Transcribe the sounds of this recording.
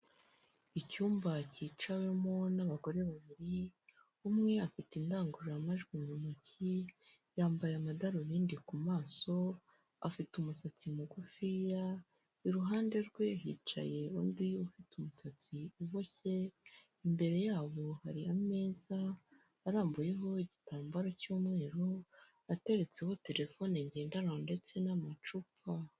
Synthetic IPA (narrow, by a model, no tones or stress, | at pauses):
icuːmbaciːt͡ʃawemo̞naβaɡo̞ɾe̞βaβiɾi | umŋe̞afitindaːŋɡuɾamaʒɡiɲumaci | jaːmbajamadaɾoβiːndikumaːso̞ | a̰fitumusat͡simuɡufija | iɾuɦaːnde̞ɾɡweɦḭt͡ʃa̰je̞undiufitumusat͡siuβoçe̞ | imbe̞ɾe̞jaːβo̞haɾiame̞ːzaː | ɾaːmbuje̞ɦo̞iɟitaːmbaɾacuːmŋe̞ːɾo | ate̞ɾe̞t͡se̞ho̞te̞ɾe̞fo̞neɲɟeːndaɾande̞t͡se̞namat͡ʃupa